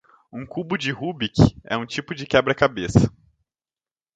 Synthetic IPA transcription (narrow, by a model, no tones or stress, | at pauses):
ũkubʊd͡ʒɪhubikɛ̰ũt͡ʃipʊd͡ʒɪkɛbɾɐkabesɐ̥